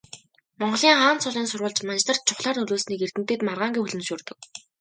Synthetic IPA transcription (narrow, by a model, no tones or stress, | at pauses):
mɔɴɢɞ̆ɮiːŋχaːnt͡sʊɮiːnsʊrʁə̆ɮt͡ɕmant͡ɕt̪ə̆r̥t̪̚t͡ɕʰʊχɮaːrnɵɮoːsniːker̥t̪ɘ̆mt̪ɘ̆ːt̪marʁaːŋɡʲixɵɮɘ̆nʃuːrt̪ɵ̆k̚